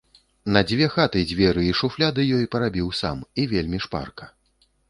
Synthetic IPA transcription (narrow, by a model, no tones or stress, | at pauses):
nɐd͡zʲvʲɛxat̪ɨd͡zʲvʲɛɾɨiʂuflʲad̪ɨjɔjpɐɾabʲiwsa̰mivʲelʲmʲiʂpa̰rkɐ̥